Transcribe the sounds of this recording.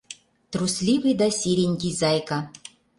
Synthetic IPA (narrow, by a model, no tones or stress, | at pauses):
t̪ɾusʲlʲivɨjd̪asʲiɾʲenʲkʲizɑjka